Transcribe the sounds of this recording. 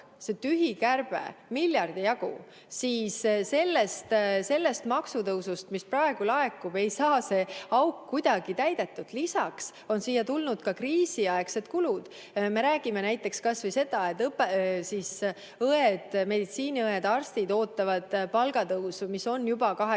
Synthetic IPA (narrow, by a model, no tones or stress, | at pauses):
set̪yɦikærb̥ḛmilʲjɑrd̪ijɑɡṵ | siːsse̞lːest̪se̞lːest̪mɑksut̪ɤwsust̪misprɑe̞ɡ̥ulɑe̞kːˑube̞jsɑːse̞ɑwkːujd̪̥ɑɡ̥it̪æjd̪̥e̞t̪ːˑud̪̥lisɑks | o̞nsiːjːɑt̪ulnud̪̥kɑkriːsiɑekse̞d̪̥kulud̪̥ | me̞ɾæːɡ̥ime̞næjt̪ːˑe̞kskɑsvɯjse̞d̪̥ɑet̪ːˑɤpːˑesiːs | ɤed̪̥me̞d̪it̪siːniɤed̪̥ɑrst̪id̪o̞ːt̪ːˑɑvɑd̪̥pɑlɡ̥ɑt̪ɤwsumiso̞nːjubɑkɑɦe